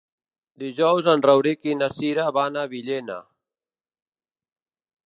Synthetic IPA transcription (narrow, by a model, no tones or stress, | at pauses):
d̪iʒɔwzənrəwɾikinasiɾaβanaβiʎena̰